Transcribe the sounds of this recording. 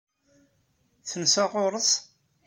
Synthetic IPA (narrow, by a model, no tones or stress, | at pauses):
θənsaʁʊɾˤəs